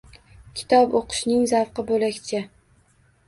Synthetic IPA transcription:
kʲʰɪ̥t̪ʰɒpoqʰʊ̥ʃnɪŋzafqɨbolakʲt͡ʃʰa

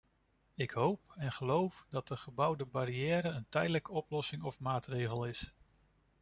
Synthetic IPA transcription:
ɪkɦowpɛnχəlowfdɑt̚dəχəbʌwdəbaɾiɛːɾəəntɛjdələkəɔplɔsɪŋɔfmaːtrejχəlˠɪs

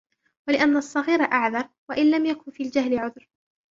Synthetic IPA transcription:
walɪʔanːaɑsˤːɑɣiːɾaʔaʕðɑɾˤwaʔɪnlamjakʊnfiːld͡ʒaɦlɪʕʊðɾ

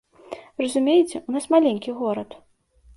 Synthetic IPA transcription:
rɐzumʲejt͡sʲɛʔunasmalʲenʲkʲiɣɔɾɐt̪

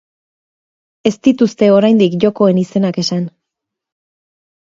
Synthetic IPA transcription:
e̞st̪it̪ust̪e̞o̞ɾajnd̪ikʝo̞ko̞e̞nise̞nake̞san

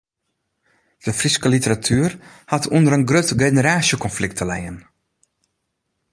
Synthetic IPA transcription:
d̥əfriskəlitəratʰyər | hatʰuəndəɾənɡrøtɡenəɾaːsjəkɔnflɪk̚tʰəlɛjən

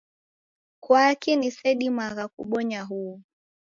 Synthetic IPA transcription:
kwakinisɛɗimaɣakṵɓɔɲaɦuː

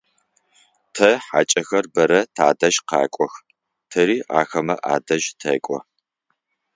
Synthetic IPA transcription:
tʰɐħa̰ːt͡ʃʼɐxɐrbɐɾɐtʰaːdɐʒqɑ̰ːkʷʼɔx | tʰɐɾiːʔaːxɐmɐʔa̰ːdɐʒtʰɐ̰kʷʼɔ̰

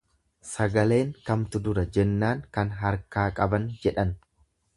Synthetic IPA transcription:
sɐɡɐle̞ːŋkɐmt̪ʊd̪ʊɾɐd͡ʒɛnːaːŋkɐnɦɐɾkaːkʼɐbɐnd͡ʒɛᶑɐn

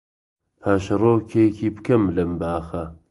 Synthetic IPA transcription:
pʰaːʃɐroːkʰejkʰiːbkɐmlɐmbaːxɐ

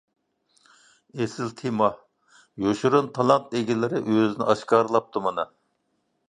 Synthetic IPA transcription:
esɪlt̪ʰemɑ | joʃuɾunt̪ʰɑlˠɑnt̪̚eɡʲilɪɾɪʔøzɪnɪ̰ɑʃkɑːɾɨlˠɑp̚t̪ʰumɑnɨ

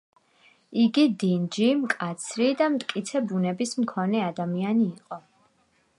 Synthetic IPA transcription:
iɡid̪ind͡ʒimkʼat̪sʰɾid̪amt̪ʼkʼit̪sʰɛbunɛbismkʰɔnɛad̪amianiːqʼɔ

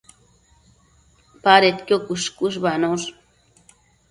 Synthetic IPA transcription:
paɾet̪kjokuʃkuʃ̬banoɾ

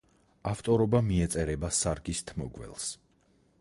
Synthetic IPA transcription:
aft̪ʼɔɾɔbamiɛt̪sʼɛɾɛbasaɾɡist̪ʰmɔɡwɛ̰lˠs

